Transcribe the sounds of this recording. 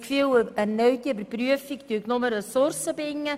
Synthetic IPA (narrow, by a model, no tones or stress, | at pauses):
kfywæɾnœɥt̪iøbəɾpryəfikt̪yːknʊməɾəsʊɾsəbɪŋːə